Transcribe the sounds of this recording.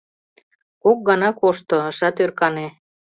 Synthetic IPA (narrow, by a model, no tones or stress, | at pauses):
kok̚ɡɑnɑkoʃt̪oɤʃɑt̪ørkɑne